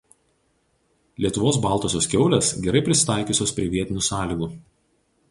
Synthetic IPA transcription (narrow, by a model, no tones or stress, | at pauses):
lʲiɛt̪ʊʋoːs̬bɑˑlˠt̪oːsʲoːskʲɛʊlʲesɡʲɛɾɐɪpʲɾʲɪsʲɪ̥t̪ɑˑɪkʲʊˑsʲoːspʲɾʲiɛʋʲiɛt̪ʲɪnʲuːsɑːlʲiːɡuː